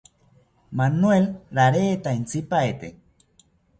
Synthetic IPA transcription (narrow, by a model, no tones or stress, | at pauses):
manuelɾaɾeːt̪aint͡sipaet̪ḛ